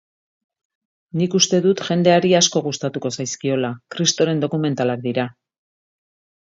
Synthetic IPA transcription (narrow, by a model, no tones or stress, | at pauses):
nikust̪e̞ðut̪ʝe̞nd̪e̞aɾiasko̞ɣ̞ust̪at̪uko̞sajskio̞lakɾist̪o̞ɾe̞nd̪o̞kume̞nt̪alak̚d̪iɾa